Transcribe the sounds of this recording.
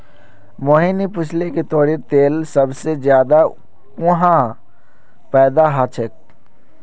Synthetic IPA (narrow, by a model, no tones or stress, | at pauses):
moːɦinipʊt͡ʃʰleket̪ɔːɾit̪eːlsəbsezjaːd̪a | ʊɦã | pɛːd̪aɦat͡ʃʰək̚